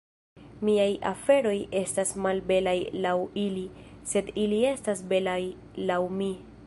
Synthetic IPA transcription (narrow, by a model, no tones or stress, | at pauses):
miajʔafe̞ɾo̞je̞stasmalbe̞lajlawilise̞dilie̞stasbe̞laj | lawmi